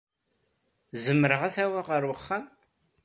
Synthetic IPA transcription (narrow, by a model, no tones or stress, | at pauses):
zəmːəɾəʁaθæwaʁəɾwəχːan